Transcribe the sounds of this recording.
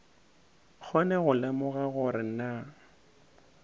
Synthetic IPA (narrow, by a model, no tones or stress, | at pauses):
k͡xʰɔnɛɣʊlɪmʊɣaɣʊɾɪna